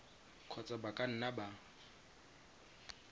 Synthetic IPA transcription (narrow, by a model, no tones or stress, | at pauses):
kʰɔt͡sʼabakʼan̩naba